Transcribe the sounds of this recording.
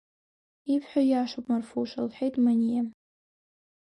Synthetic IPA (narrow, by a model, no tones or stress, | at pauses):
ipʰħʷᶣajaʂopʼmarfuʃalħʷᶣejtʼmanʲija